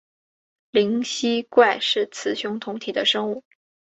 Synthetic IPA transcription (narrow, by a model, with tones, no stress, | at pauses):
li˧˥ŋɕi˥kwa˥˧ɪʂɻ̩˥˩t͡sʰɹ̩˧˥ɕjʊ˧˥ŋt̪ʰʊ˧˥ŋt̪ʰi˨˩d̪ə˦ʂɤ˥ŋu˥˩